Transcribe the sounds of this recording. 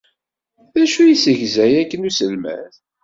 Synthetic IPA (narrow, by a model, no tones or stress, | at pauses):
ðæʃujisəʝzæjækːənusəlmæ̰θ